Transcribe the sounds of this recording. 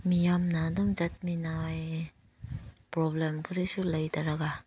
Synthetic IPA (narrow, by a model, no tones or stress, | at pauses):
mijamnadɯŋd͡ʒat̚minaj | pɾɔblemkʰɯɾisulajtaɾaɡa